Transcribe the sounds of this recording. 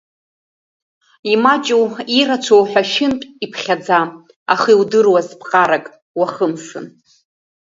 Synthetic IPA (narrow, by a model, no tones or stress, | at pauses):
imat͡ʃʼuirat͡ʃʷʰowħʷᶣaʃɪntʼipʰχʲad͡za | a̰χiwdɨrwazpʰqʼaɾakʼ | waχəmʂɨ̰n